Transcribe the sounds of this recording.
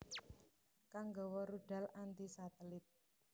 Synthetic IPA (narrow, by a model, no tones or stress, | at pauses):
kaŋɡɔ̤wɔɾuɖ̥a̤lant̪isat̪əlɪt̪̚